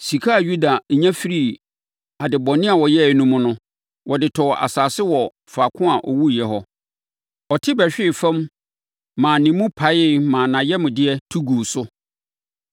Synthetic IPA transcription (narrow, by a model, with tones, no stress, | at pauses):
si˨kʰa˦˨ju˦da˨ɲæ̃˦fi˦ɾi˦˨ | a˨dɪ˨bɔ̃˨nɪ̃˦a˨wɔ˨jɛ˦˨nũ˦mʊ̃˦nʊ̃˦ | wʔɔ˨dɪ˨tʰɔ˨ʔa̰˨saː˨sɪ˦wɔ˨ | fa˨kʰʊ̃˦a˨ʔɔ˨wu˦˨jɛ˨ɦɔ˦ | ɔ˨tʰɪ˦bɛ˨ɕᶣɪ˦˨fɛ̃˦mː | ã˨nɪ̃˨mũ˦pʰa˨˦jɪ˦mãː˨nã˨jɛ˦mʊ̃˨dɪ˦ɛ˦tʰu˦ɡuː˨sʊ˦